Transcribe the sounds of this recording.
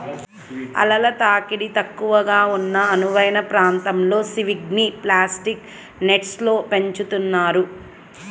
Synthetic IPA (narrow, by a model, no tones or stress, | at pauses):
ɐ̰lɐlɐt̪aːkiɽit̪ɐkːuʋɐɡaːunːɐːnuʋɐjnɐpɾaːnt̪ɐmlo̞ːsiʋiɡniplaːsʈik | neʈslo̞ːpe̞ɲt͡ʃut̪unːaːɾu